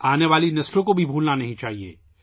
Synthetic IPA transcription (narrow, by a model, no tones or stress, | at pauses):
aːneʋaːlinɐslõkobʱibʱuːlnanɐɦĩt͡ʃaːɦiḛː